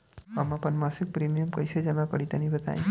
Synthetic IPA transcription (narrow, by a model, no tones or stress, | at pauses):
əmãpəɳmasik̚pɾimijəmkəjʃʰed͡ʒemãkəɽit̪anibət̪a̰j̃